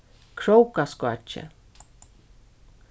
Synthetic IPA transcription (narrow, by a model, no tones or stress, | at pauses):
kʰɾowkaskwa̰t͡ʃːḛ